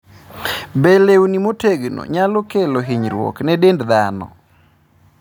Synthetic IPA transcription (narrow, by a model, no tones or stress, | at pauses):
belewnimoteɡno̰ɲalɔkeloɦiɲɾwɔ̰knɛdendd̪anɔ̰